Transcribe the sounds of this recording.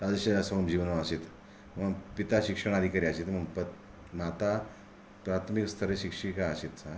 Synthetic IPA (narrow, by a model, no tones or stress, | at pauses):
t̪ad͡zəɕesəəmd͡ʑiʋnoaɕet̪ | məɡpit̪aɕikʂəɽ̃ad̪ʱikaɾiaɕet̪m̤əɡpə | mat̪a | pɾat̪ʰmikst̪ʰəɾeɕikʂikaəɕit̪t͡sa